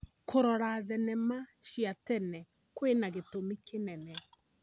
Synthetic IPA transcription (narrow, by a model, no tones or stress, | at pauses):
kʰoɾɔɾaðɛnɛmaʃiatɛnɛ | kwenaɣetomikenɛnɛ